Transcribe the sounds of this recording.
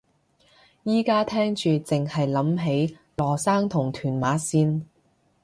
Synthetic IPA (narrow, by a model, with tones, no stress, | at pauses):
jiː˥kaː˥t̪ʰɛː˥ŋt͡ʃyː˨t͡sɪ˨ŋhɐ˨jlɐ˨˥mɦe˨˥j | lɔː˨˩saː˥ŋt̪ʰʊ˨˩ŋt̪ʰyː˨˩nmaː˨˥siː˥n